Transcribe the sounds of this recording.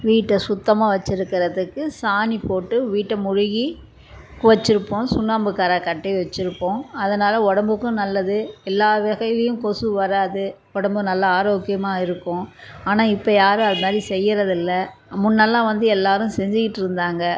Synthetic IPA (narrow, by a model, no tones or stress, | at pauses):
ʋiːʈːɐsʊt̪ːɐmaːʋɐt͡ʃːɪɾɯkːɪɾɐðɯkːɯsaːnipoːʈːɯʋiːʈːɐmʊɻʊɣi | kʊʋɐt͡ʃːɪɾɯpːõːsʊnːaːmbɯkːaːɾakɐʈːɐɪʋɐt͡ʃːɪɾɯpːõːɐðɐnaːlɐɔɽɐmbɯkːʊ̃nɐlːɐðɯɛlːaːʋɪɣɐlɐjɯ̃kɔsɯʋɐɾaːðɯ | ɔɽɐmbɯnɐlːɐaːɾoːkːɪjɐmaːɪɾɯkːʊ̃aːnaːɪpːɐjaːɾɯɐðɯmaːd̪ɾisɛjːɪɾɐðɪlːɐmʊnːɐlːãːʋɐnd̪ɯɛlːaːɾɯ̃msɛɲd͡ʒɪkɪʈːɪɾɯnd̪aːŋɡɐ